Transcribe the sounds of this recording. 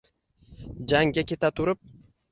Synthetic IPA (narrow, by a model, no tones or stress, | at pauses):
d͡ʒaŋɡʲakʲe̞t̪ʰat̪ʰʊɾɪp̚